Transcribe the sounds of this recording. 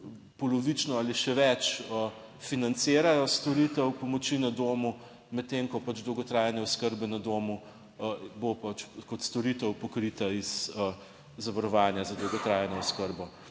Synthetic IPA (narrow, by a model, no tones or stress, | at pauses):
pɔlɔʋit͡ʃnɔaːliʃɛʋɛt͡ʃə | finant̪seːɾajɔst̪ɔɾit̪ɛwpɔmɔt͡ʃinɐd̪oːmu | mɛt̪̚tːemkɔpad͡ʒd̪ɔwɡɔt̪ɾaːjɛnɛɔskəɾbɛnad̪oːmu | bopat͡ʃkɔt̪st̪ɔɾit̪ɛwpɔkɾit̪aizə | zɐʋaɾɔʋaːnjazɐd̪ɔwɡɔt̪ɾaːjɛnɔɔskəɾbɔ